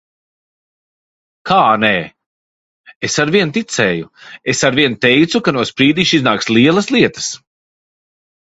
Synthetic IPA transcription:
kʰaːnɛː | esaɾviɛnt̪it̪sɛːjuesaɾviɛnt̪ɛjt̪sukanuɔspɾiːd̪iʃiznaːksliɛlˠɐslˠiɛt̪ə̥s

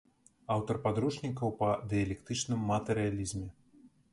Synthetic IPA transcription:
awt̪ɐrpad̪ɾuʂnʲikɐwpɐd̪ɨjɐlʲɛkt̪ɨt͡ʂnɨmːɐt̪ɛɾɨjalʲizmʲɛ

